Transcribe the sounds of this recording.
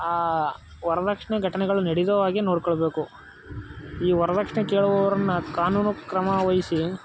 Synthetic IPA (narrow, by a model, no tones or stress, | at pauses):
aː | ʋɔɾɐd̪ɐkʂɐɳeɡʱɐʈɐnɛɡɐɭuneɽid̪ɐʋaːɡino̞ːɖkɔɭbe̞ːku | iːʋɔɾɐd̪ɐkʂɳekeːɭuʋɔʋɐɾɐnːukaːnuːnukɾɐmɐʋɐjisi